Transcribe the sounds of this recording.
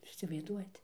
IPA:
ˈjuːs iːsʲɪʋɐɪzˈduɔjɛt

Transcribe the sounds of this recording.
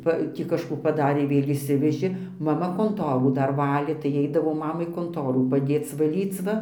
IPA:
ˈpɐ ˈtʲiː kɐʃˈkuː pɐˈdɑːrʲeː ˈʋʲeːlʲ ɪʃʲˈsʲɪʋʲɛʒʲeː mɐˈmɐ koːnˈtoːruː ˈdɐr ˈʋɑːlʲeː tɐɪ ɛɪdɐʋɐʊ ˈmɑːmɐɪ koːnˈtoːruː pɐˈdʲeːt͡s ʋɐˈlʲiːt͡s ˈʋɐ

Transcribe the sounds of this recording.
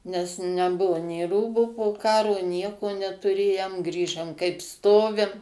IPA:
nʲɛs ˈnʲæːbʊʋʊ nʲeːˈruːbuː poːˈkɑːroː ˈnʲiɛkoː nʲɛtʊˈrʲeːjɛm ˈɡrʲiːʒɐm kɐɪp ˈstoːʋʲɪm

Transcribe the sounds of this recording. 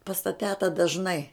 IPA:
pɐs tɐ ˈtʲæːtɐ dɐʒˈnɐɪ

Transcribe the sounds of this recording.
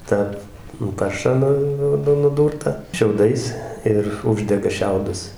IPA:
ˈtɑː nʊ ˈpɐrʃɑː ˈnʊ ˈnʊ nʊˈduːrtɑː ʃʲɛʊˈdɐɪs ɪr ˈʊʒʲdʲɛɡɐ ˈʃʲɛʊdʊs

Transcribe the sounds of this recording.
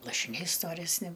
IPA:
lˠɐʃʲɪˈnʲɛɪ stoːrʲɛsʲˈnʲɪ

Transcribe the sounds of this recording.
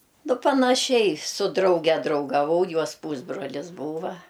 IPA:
nʊ pɐnɐˈʃʲɛɪ sʊ ˈdrɐʊɡʲɛ drɐʊɡɐˈʋɐʊ ˈjuɔs ˈpuːzbroːlʲɪs ˈbuːʋɐ

